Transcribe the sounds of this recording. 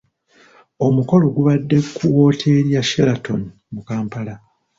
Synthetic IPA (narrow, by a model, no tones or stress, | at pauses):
o̞muko̞lo̞ɡuβadːe̞kːuwo̞ːtʰe̞ːɾjaʃelatʰo̞̰ni | mukaːmpala